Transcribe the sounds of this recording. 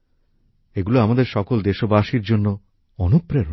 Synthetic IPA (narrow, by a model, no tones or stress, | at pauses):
eɡuloamad̪eɾʃɔkold̪eʃobaʃiɾd͡ʑonːo | ɔnupɾeɾ